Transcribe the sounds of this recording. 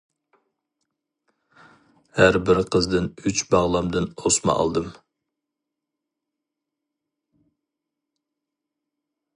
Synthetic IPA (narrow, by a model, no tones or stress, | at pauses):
hæɾbɪɾqʰəzd̪ɨnyt͡ʃbɑʁlˠɑmd̪ɨnosmɑ̰ʔɑ̰lˠd̪ɨm